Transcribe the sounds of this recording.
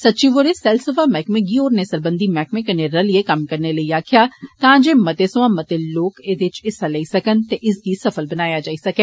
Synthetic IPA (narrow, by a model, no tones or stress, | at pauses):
sɐtːt͡ʃiʋoːɾesɛːlsəfamɛːkmẽɡioːɾnesəɾbə̃nd̪imɛːkmẽkɐneɾəliekɐmkɐɾneləiaːkʰijaːt̪ãːd͡ʒeːmɐt̪esʊʋãːmɐt̪eloːkeːd̪ɪt͡ʃɪsaləisɐkənt̪eʔɪsɡ̪isɐfʰəlbɐnaːjad͡ʒaːisɐkẽː